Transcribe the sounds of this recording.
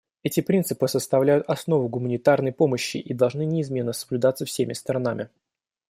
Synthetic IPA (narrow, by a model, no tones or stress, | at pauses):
ɛtʲɪpɾʲint̪sɨpɨsəst̪ɐvlʲæjʊt̪ɐsno̞vʊɡʊmənʲɪt̪arnəjpo̞məɕːɪ̰ʔid̪ɐlˠʐnɨnʲɪːzmʲe̞nːəsəblʲʉd̪at̪səfsʲemʲɪst̪əɾɐnamʲɪ